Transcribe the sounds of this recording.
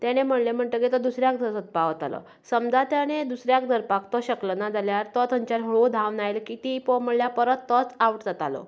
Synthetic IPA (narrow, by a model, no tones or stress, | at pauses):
t̪jaɽ̃em̤əɽlem̤əɳʈ̪əɡet̪ɔd̪usɾjakd̪ʱəɾsət̪̚paʋət̪a̰lə̰ | səmd͡zat̪jaɽ̃ed̪usɾjak̚d̪ʱəɾpakt̪ɔɕəklənad͡zaljaɾt̪ɔt̪əɲt͡ɕaɾɦɭod̪ʱaʋnajlkiːt̪ipɔm̤əɽljapəɾət̪ːət͡sauʈd͡zat̪a̰lɔ̰